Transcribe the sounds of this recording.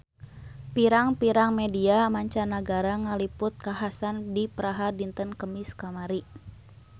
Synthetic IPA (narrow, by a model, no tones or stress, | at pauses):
piɾaŋpiɾaŋmɛdiamaɲt͡ʃanaɡaɾaŋalipʊt̪̚kaɦasandipəɾaɦadint̪ənkəmiskamaɾi